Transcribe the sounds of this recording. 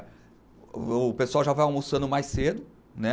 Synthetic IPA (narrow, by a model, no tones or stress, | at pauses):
ʊpesʊawʒavajawmusɐ̃nd̪ʊmajsed̪ʊ | nɛ